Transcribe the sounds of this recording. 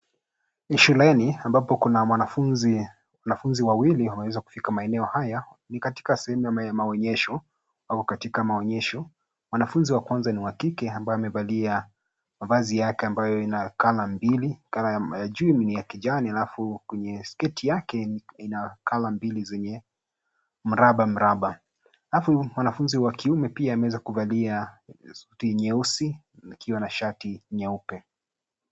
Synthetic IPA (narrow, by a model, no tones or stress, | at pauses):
iʃulɛniambapɔkunamwanafunzi | wanafunziwawiliwamɛwɛzaku̥fikamaɛnɛɔhaja | nikati̥kasɛhɛmujaamaɔɲɛʃɔ | avukatikamaɔɲɛʃɔ | mwanafunziwakwanzaniwakikɛambajɔamɛvalia | mavazijakɛambajɔinakalambilikalaajad͡ʒuimnijakiʄanialafukwɛɲɛskɛtʰijakɛinakʰalambilizɛɲɛ | m̩ɾaɓam̩ɾaɓa | alafumwanafunziwakiumɛpiaːmɛwɛzakuvalia | utiɲɛusi | ikʰiwanaʃatiɲɛupɛ